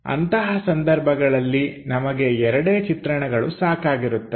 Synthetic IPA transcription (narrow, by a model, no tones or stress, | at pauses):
ɐ̰nt̪ɐɦɐsɐnd̪ɐɾbʱɐɡɐɭɐlːinɐmɐɡe̞ɛɾɐɽeːt͡ʃit̪ɾɐɳɛɡɐɭusaːkaːɡiɾut̪ːe